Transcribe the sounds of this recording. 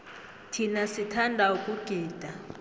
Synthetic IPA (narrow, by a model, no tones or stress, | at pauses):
tʰinasitʰandʱaukʼuɡ̥ʱiːd̥ʱa